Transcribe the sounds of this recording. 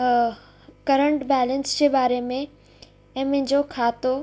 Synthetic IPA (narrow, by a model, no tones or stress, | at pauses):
kɐɾə̃ɳʈbɛːlənsd͡ʑeːbaːɾemẽ | ɛ̃ːmɐ̃ɦɪ̃ɲd͡ʑokʰaːt̪o